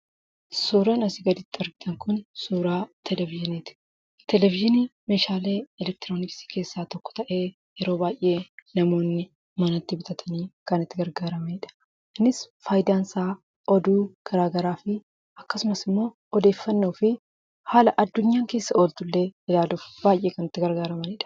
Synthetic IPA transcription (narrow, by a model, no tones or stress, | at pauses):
suːɾɐnɐsɪɡɐd̪ɪt̪ːɪɐɾɡɪt̪ɐŋkʊnsuːɾaːt̪ʰɛlɛvɪʒɪniːt̪ɪ̥ | t̪ɛlɛvɪʒɪniːmeːʃaːle̞ːɛlɛk̚t̪ɪɾo̞ːnɪksi̥ke̞ːsːaːt̪ɔkːɔ̥t̪ɐʔe̞ː | jɛɾo̞ːbaːjʔe̞ːnɐmo̞ːnːɪ | mɐnɐt̪ːɪbɪt̪ʰʼɐt̪ʰɐniːkɐnɪt̪ːɪɡɐɾɡaːɾɐmɐɪᶑɐ̥ | nɪsfaːjd̪aːnsaː | ɔd̪uːɡ̥ɐɾaːɡɐɾaːfɪ | ɐkːɐsʊmɐsɪmːo̞ː | ɔd̪e̞ːfːɐnːuːfɪ | haːlɐʔɐd̪ːʊɲːaːŋke̞ːsːɐo̞ːlt̪ʊlːe̞ːɪlaːluːfb̥aːjʔe̞ːkɐnɪt̪ːɪɡɐɾɡaːɾɐmɐnɪᶑɐ̥